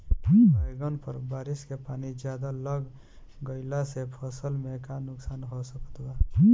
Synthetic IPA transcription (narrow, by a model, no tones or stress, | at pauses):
bəjɡənpəɾbaːɾɪskepaːnid͡ʒjaːd̪aləɡ | ɡəɪlasepʰəsəlmekanʊksaːnɦosəkə̥t̪ba